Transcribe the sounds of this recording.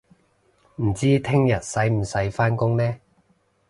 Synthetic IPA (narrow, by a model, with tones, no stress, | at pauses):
m̩˨˩t͡siː˥t̪ʰɪ˥ŋjɐ˨t̚sɐ˨˥jm̩˨˩sɐ˨˥jfaː˥nkʊ˥ŋnɛː˥